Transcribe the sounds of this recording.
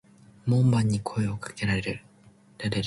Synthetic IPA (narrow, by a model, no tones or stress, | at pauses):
mõmbãɲ̟ːikʰo̞e̞okḁke̞ɾaɾe̞ɾɯ̟ | d̪ad̪eɾ